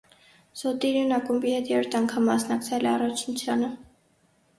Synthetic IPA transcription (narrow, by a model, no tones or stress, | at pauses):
z̥ɔt̪iɾunɑkumbihɛt̪jɛɾɔɾt̪ʰɑŋkʰɑmːɑsnɑkt͡sʰɛlɛɑrɑt͡ʃʰnut͡sʰjɑnə